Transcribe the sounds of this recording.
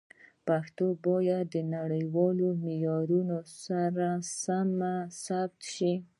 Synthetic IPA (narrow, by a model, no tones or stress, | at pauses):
paxt̪obɑjad̪ːənaɽəjwɑlomɪjɑɾunosaɾasamasab̚t̪ʃi